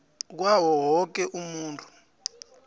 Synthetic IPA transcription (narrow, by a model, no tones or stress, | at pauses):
k̬wawɔwɔk̬ɛʔumuːntʰu̥